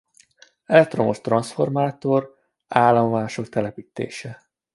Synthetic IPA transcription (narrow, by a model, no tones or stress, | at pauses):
ɛlɛk̚t̪ro̞mo̞ʃt̪rɒnsfo̞rmaːt̪o̞r | aːlːoɱvaːʃo̞k̚t̪ɛlɛpiːt̪ḛːʃɛ